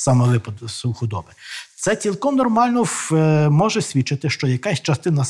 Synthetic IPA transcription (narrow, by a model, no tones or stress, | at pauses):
sɑmɛʋɪpɐd̪suxʊd̪ɔbɪt̪sɛt͡sʲilˠkɔmnɔrmɑlʲnɔmɔʒɛsʲʋʲit͡ʃɪt̪ɪʃt͡ʃɔjɐkasʲt͡ʃɐst̪ɪnɐ